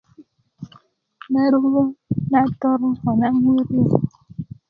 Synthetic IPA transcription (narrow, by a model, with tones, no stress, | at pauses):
na˦ɾu˦o˦na˦tɔ˦ɾhɔ˨na˦wu˦ɾi˦˨